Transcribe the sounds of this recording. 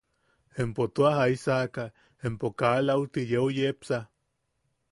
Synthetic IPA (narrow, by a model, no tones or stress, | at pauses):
empot̪oaɦaisaka | empokalaut̪ijeojepsa